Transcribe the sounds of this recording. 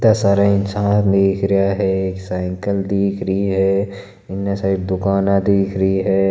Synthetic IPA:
t̪asaːɾaɪnsaːnd̪eːkʰɾəjaɦɛeːksaːɪŋkəld̪iːkʰɾəiɦɛː | ɪnːasaːid̪ʊkaːnãd̪iːkʰɾəiɦɛː

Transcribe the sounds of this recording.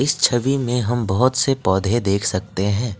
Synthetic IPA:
ɪst͡ʃʰɐʋimẽɦɐmbɐɦʊt̪sepɔːd̪ʱed̪eːkʰsɐk̚t̪eɦɛ̃ː

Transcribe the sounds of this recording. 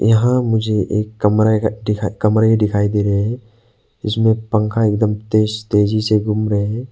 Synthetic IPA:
jɐɦãmud͡ʒeʔekːɐmɾakʰːɐmɾaɖikʰajd̪iɾɛ | ɪsmẽpəŋkʰaɛk̚d̪əmt̪est̪ed͡ʒiseɡumɾɛ

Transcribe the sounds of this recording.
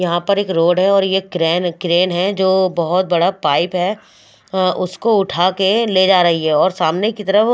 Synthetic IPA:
jɐɦãpɐɾeːkɾoːɖɦɛɔːɾjekɾɛːnkɾeːnɦɛd͡ʒoːbɐɦʊt̪̚bɐɽapaːɪpɦɛː | ʔʊskoʊʈʰaːkeleːd͡ʒaːɾɐɦiɦɛɔːɾsaːmnekit̪ɐɾəf

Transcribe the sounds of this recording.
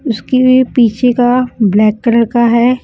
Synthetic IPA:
ʊskebiepiːt͡ʃʰekablɛːkːɐɾəɽkaɦɛː

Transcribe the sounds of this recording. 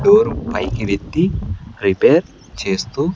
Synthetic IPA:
ɖoɾupa̰jkiʋet̪ːiripeɾ | t͡ʃest̪u

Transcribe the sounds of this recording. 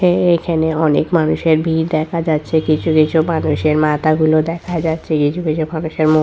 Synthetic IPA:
eekʰaneɔnḛkmanuʃeɾbʱiɾd̪ɛkʰad͡ʑatːɕʰekit͡ɕʰukit͡ɕʰumanuʃeɾmat̪aɡulod̪ɛkʰad͡ʑatːɕʰekit͡ɕʰukit͡ɕʰumanuʃeɾmo

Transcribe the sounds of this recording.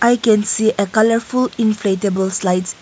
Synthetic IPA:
ʔajkɛ̃nsiʔəkaləɹfulĩnfletəbəlslaɪt

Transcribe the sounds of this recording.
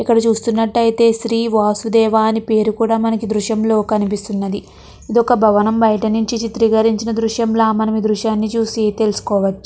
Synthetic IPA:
ikːɐɽɐt͡ʃuːst̪unːɐʈːɐjit̪e̞ːʃɾiːʋaːsud̪ɛːʋaːnipe̞ːɾukuːɽaːmɐnɐkid̪ɾuʃɐmlo̞ːkɐnipist̪unːɐd̪i | id̪ɔkɐbʱɐʋɐnɐmbɐjɐʈɐnuɲt͡ʃit͡ʃit̪ɾiɡɐɾiɲt͡ʃinɐd̪ɾuʃjɐmlaːmɐnɐmid̪ɾuʃjaːnːit͡ʃuːsit̪e̞lusu̥kɔːʋɐt͡ʃːu̥

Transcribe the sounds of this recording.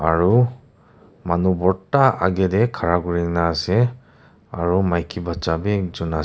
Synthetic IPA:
aɾu | manubɔɾtːaaɡedekʰaɾaɡuɾiŋnase | aɾumajkʰibat͡ʃabed͡ʒunas

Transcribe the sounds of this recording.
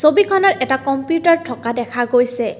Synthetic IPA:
sobikʰɔnɔɹʔɛtakɔmpjutaɹtʰɔkadɛkʰaɡojsɛ

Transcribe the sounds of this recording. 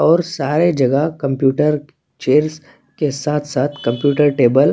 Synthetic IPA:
ɔːɾsaːɾed͡ʒɐɡəkɐ̃mpjuːʈəɾ | t͡ʃeːɾz | kesaːt̪ʰsaːt̪ʰkɐ̃mpjuːʈəɾʈeːbəl

